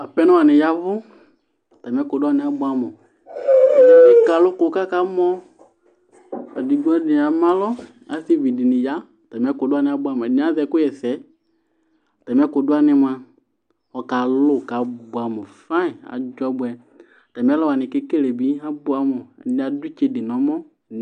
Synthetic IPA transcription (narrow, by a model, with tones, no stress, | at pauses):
a˨pɛ˦nʊ̃˦a˨nɪ̃˨ja˦vʊ˦˨ | ta˨m˦ɛ˦kʊ˨dʊ˦a˦˨nɪ̃˨a˦bʊ˦a˦mʊ˨˦˨ | mɪ˦ka˨lʊ˦kʊ˨˦ka˦ka˦mɔ˦ | a˨di˨ɡu˦ɛ˦dɪ˨a˨mã˦lɔ˦ | a̰˨˦θi˦vi˨dɪ˨nɪ˨ja˦˨ta˨m˦ɛ˦kʊ˨dʊ˦a˦nɪ˨˦a˦bʊ˦a˦mɔ˨ɛ˨dɪ̃˨˦a˨˦ðɛ˨kʊ˦jɛ˨sɛ˨˦˨ | tɛ˨m˦ɛ˦kʊ˨dʊ˦a˦nɪ˦mã˨ | ɔ˨ka˨lʊ˦˨ka˨bʊ˨a˨mɔ˨fa˦ɪ˨a̰˨d͡ʒɔ˦bʊ˦ɛ˦˨ | ta˨m˦ɛ˦lɔ˦wa˨nɪ̃˨kɪ˦ke˦le˨bi˦a˦bʊ˦a˦mɔ˨ɛ̰˨dɪ̃˨˦a˨dʊ˦t͡ʃe˦dɪ˨nɔ̃˨˦mɔ˦˨